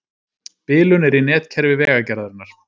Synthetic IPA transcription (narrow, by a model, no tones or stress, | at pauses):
pɪːlʏnɛɾinɛːt̪cʰɛɾvɪvɛːɣacɛɾðʏɾɪnaɾ̥